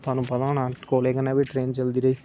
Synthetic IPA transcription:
t̪ʰaːnũːpɐd̪aːnãːkoːleːkənãːʋiʈɾeːnt͡ʃɐld̪iːɾɐiː

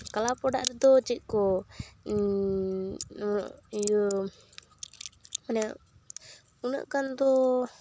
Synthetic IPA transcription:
kalapɔɖa̰ʔɾɛd̪ɔt͡ʃic̪̚ˀkɔ | nʔ | manɛ | unə̰ʔkand̪ɔ

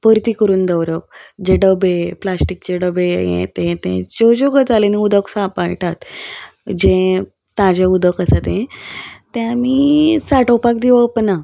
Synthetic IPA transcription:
pəɾt̪ikəɾuːnd̪əwɾəpd͡ʑeɖəbeplasʈik̚t͡ɕeɖəbejḛ̃t̪ẽt̪ḛ̃d͡ʑod͡ʑoɡəd͡zaleniud̪əksãpaɭʈat̪ | d͡ʑẽ | t̪ãd͡ʑeud̪əkasat̪ẽt̪jãmiːsaʈəwpakd̪iʋəpna

